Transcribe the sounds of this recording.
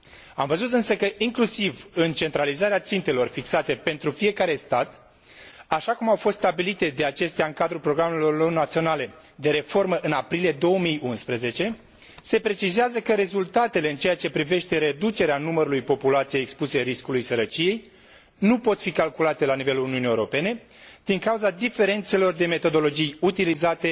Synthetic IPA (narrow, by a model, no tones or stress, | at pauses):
amvəzut̪ɨnsəkəʔiŋklusivɨnt͡ʃe̞nt̪ɾalizaɾeat̪sint̪e̞lo̞rfiksat̪e̞pe̞nt̪ɾufije̞kaɾe̞st̪at̪ | aʃakumawfo̞st̪st̪abilit̪e̞d̪e̞at͡ʃe̞st̪eaɨŋkad̪ɾupɾo̞ɡɾamelolo̞rnat̪sio̞nale̞ | d̪e̞ɾe̞fo̞rməʔɨnapɾilije̞d̪o̞wəmijunspɾəze̞t͡ʃe̞ | se̞pɾe̞t͡ʃizeazəkəɾe̞zult̪at̪e̞le̞ɨnt͡ʃe̞jat͡ʃe̞pɾive̞ʃt̪e̞ɾe̞d̪ut͡ʃe̞ɾeanuməɾulujpo̞pulat̪sijejekspuse̞ɾiskulujsəɾət͡ʃije̞j | nupo̞t̪fikalkulat̪e̞lanive̞luuniunijːewɾo̞pe̞ne̞ | d̪̥iŋkawuzad̪ife̞ɾe̞nt̪se̞lo̞rd̪e̞me̞t̪o̞d̪o̞lo̞d͡ʒijut̪ilizat̪e̞